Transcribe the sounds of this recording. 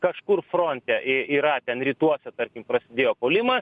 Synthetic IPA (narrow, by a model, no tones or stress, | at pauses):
kɐʃkʊrfɾoːnʲt̪ʲɛʔɪiːɾɐt̪ʲɛnɾʲiːt̪uɔsʲɛt̪ɐɾʲkʲɪmpɾɐsʲɪd̪ʲeːjoːpoːlʲɪmɐs